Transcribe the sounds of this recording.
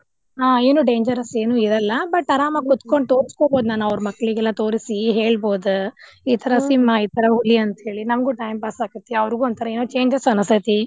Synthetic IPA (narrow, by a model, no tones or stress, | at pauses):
ɦaːeːnuːɖe̞ːɲd͡ʒɐɾɐse̞ːnuːiɾɐlːɐbɐʈːɐɾaːmɐɡɡut̪koɳɖ̚t̪o̞ːɾiskoːboːd̪naːnuɐʋɾmɐkːɐɭiɡɛlːɐt̪o̞ːɾisiɦe̞ːɭbo̞ːd̪u | iːt̪ʰɐɾɐsimːɐiːt̪ʰɐɾɐɦuliɐnt̪ɦe̞ːɭinɐmɐɡuʈɐjmpasaːkut̪ːeɐʋɐɾɡuɔnt̪ʰɐɾɐeːnuːt͡ʃe̞ːɲd͡ʒɐsɐnɐst̪ʰɐt̪i